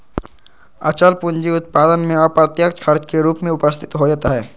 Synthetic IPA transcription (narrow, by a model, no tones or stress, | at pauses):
ət͡ʃəlpʊnd͡ʒiʊt̪̚paːd̪ənmẽəpɾət̪jəkt͡ʃkʰəɾt͡ʃkeɾuːpmẽʊpəst̪ʰɪ̥t̪ɦoːd͡ʒat̪aɦɛː